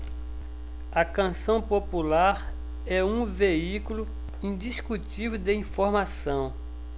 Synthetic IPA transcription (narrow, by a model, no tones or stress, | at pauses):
ɐkɐ̃sɐ̃w̃populaɾ | ɛũveikulu | ĩd̪iskut͡ʃived̪ɪĩfoɾmasɐ̃w̃